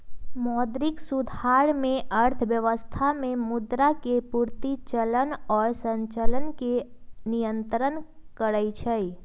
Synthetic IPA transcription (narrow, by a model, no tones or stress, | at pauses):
mɔːd̪ɾɪksʊd̪ʱaːɾmẽʔəɾt̪ʰʋjəʋəst̪ʰamẽmʊd̪ɾakepuɾt̪it͡ʃələnɔːɾsə̃ɲt͡ʃələnkenijə̃nt̪ɾənkəɾəit͡ʃʰəi